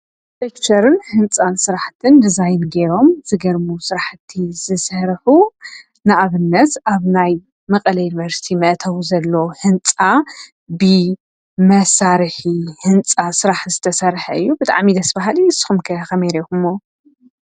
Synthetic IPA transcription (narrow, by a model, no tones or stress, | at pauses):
tʼekt͡ʃʰɐɾɨnhɨnt͡sʼansɨɾaħt̪ʰɨnd̪ɨzajnɡeɾo̞mz̥ɨɡɐɾmusɨɾaħt̪ʰːizɨsɐɾħu | nɨʔaβɨnːɐt̪ʔaβnaj | mɐqʼɐlɐjɪnivɐɾsi̥t̪ʰimɐʔt̪ʰɐwzɐlːohɨnt͡sʼa | bɨ | mɐsaɾħihɨnt͡sʼasɨɾaħzɨt̪ʰɐsɐɾħɐɨjːubɨt̪ʼa̰ʕmid̪ɐsbaɦaliɨsːɨ̥xumkʰɐxɐmeɾekumːo